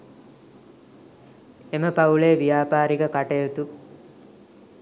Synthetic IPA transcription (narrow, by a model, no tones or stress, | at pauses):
eməpɐuɭeːʋijaːpaːɾiɡəkaʈejot̪u